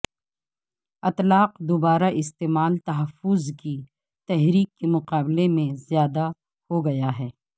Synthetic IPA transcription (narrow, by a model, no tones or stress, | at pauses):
ɐt̪laːqd̪obaːɾaʔɪst̪eːmaːlt̪ɐɦəfʊzki | t̪ɛɦɾiːkːemʊqaːblemẽzjaːd̪a | hoɡɐjaɦɛː